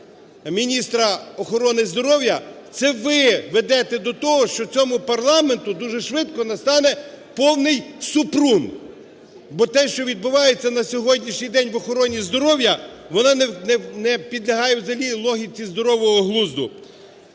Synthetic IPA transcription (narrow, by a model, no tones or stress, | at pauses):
mʲinʲist̪ɾɐɔxɔɾɔnɪzd̪ɔɾɔwjɐt̪sɛʋɪʋed̪ɛt̪ɛd̪ɔt̪ɔɦɔʃt͡ʃɔt͡sʲɔmʊpɐrlˠɑment̪ʊd̪uʒɛʃʋɪt̪kɔnɐst̪ɑnɛ | pɔwnɪjsʊpɾun | bɔt̪ɛʃt͡ʃɔʋʲid̪̚bʊʋɑjet͡sʲːɐnɐsʲɔɦɔdʲnʲiʃnʲijd̪ɛnʲʋɔxɔɾɔnʲizd̪ɔɾɔwjɐʋɔnɑnɛnɛnɛpʲid̪lʲɐɦɑjɛwzɐlʲilˠɔɦʲit͡sʲizd̪ɔɾɔʋɔɦɔɦlˠuzd̪ʊ̰